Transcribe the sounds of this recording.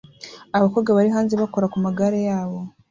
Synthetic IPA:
aβakoːɡaβaɾiɦaːnzeβakoɾakumaɡaɾejaːβo̞

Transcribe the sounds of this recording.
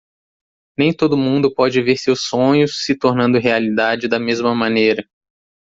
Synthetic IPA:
nẽj̃t̪od̪ʊmũnd̪ʊpɔd͡ʒɪveɾsewsõɲʊsːɪt̪oɾnɐ̃nd̪ʊɦealid̪ad͡ʒɪd̪ɐmezmɐmɐ̃nejɾɐ

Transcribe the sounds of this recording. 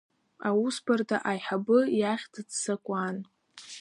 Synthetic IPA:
awusbartʼaʔajħabɨjaχʲtʰɨdsakʷʼan

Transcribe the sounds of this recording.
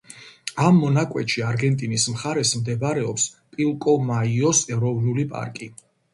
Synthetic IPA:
amːɔnakʼwɛ̰t̪ʃiaɾɡɛnt̪ʼinismχaɾɛsmd̪ɛbɾɛɔpspʼilˠkʼɔmaiɔsɛɾɔvnulipʼa̰ɾkʼi

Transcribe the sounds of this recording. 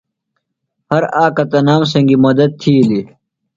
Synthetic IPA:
hɐɾaːkɐt̪ɐnaːms̬ɐŋɡimɐd̪ɐd̪̚t̪ʰiːli

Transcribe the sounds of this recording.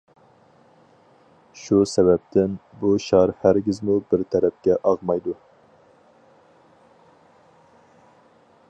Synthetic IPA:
ʃusɛbɛp̚t̪ʰɪnbuʃɑɾhæɾɡʲizmubɪɾt̪ʰɛɾɛp̚kʲɛʔɑʁmɑjd̪u

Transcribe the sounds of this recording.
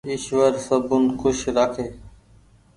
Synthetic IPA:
ɪʃʋəɾsəbʊnkʊʃɾəkʰeː

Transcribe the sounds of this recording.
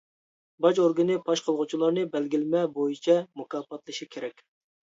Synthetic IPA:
bɑd͡ʒoɾɡɨnɨpʰɑʃqʰəlˠʁʊt͡ʃʰilˠɑɾnɨbɛlɡʲilɪmɛbojit͡ʃʰɛmukɑːpɑt̪lˠɨʃikʲʰeɾɛkʲ

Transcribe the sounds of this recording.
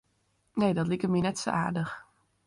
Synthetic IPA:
nejdɔtlikərminɛtso̰ʔa̰ːɹdəx

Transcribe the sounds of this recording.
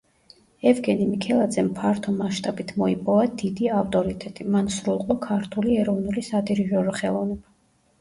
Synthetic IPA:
ɛvɡɛnimikʰɛlˠad̪zɛmpʰaɾt̪ʰɔmaʃt̪ʼabit̪ʰmɔipʼɔvad̪id̪iaft̪ʼɔɾit̪ʼɛt̪ʼimansɾulˠqʼɔkʰaɾt̪ʰuliɛɾɔvnulisad̪iɾiʒɔɾɔχɛlˠɔvnɛba

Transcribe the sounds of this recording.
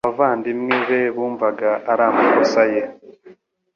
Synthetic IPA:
avaːndimŋeβeβuːɱvaɡaʔaɾaːmakosaje

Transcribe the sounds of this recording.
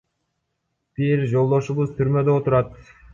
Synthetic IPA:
b̥iɾd͡ʒo̞lˠd̪o̞ʃuβuzt̪ʰyɾmø̞d̪øot̪uɾɑt̪

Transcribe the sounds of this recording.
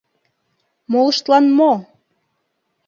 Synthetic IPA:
moləʃt̪lɑnmo

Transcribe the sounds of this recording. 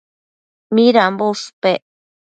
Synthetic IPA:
miɾambospeʔ

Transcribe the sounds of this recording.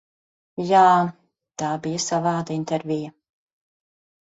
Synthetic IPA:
jaː | t̪aːbijɐsavaːd̪int̪ɛɾvʲijɐ

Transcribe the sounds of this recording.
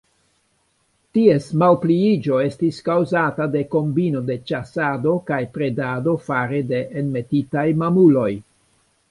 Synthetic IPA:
tie̞smawpliid͡ʒo̞e̞stiskawzatade̞ko̞mbino̞de̞t͡ʃasado̞kajpɾe̞dado̞faɾede̞ʔenme̞titajmamulo̞j

